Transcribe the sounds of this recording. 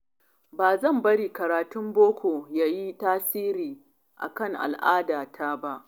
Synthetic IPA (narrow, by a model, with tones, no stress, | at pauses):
baː˨zɐ˦˨mbɐ˦ɽiː˨kɐ˨ɾaː˨tʊ˦mboː˦kʷʰoː˨jaː˦ji˦taː˦siː˦ɾiː˨ | ʔa̰˨kɐ˦˨ŋʔa̰˨lʔaː˦daː˨tʰaː˦ba˦ʔ